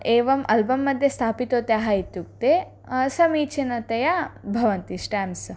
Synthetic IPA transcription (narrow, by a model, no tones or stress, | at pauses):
ʔeːʋɐmɐlbɐmːɐd̪ʱjest̪ʰaːpit̪oːt̪aːɦait̪ːuk̚t̪e | sɐmiːt͡ʃʰinɐt̪ɐjabʱɐʋɐnt̪iʃʈaːms